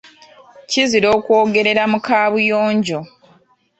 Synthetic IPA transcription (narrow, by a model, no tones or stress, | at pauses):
ciziɾo̞ːkwo̞ːɡe̞ɾe̞ɾamukaːβujo̞ːɲɟo̞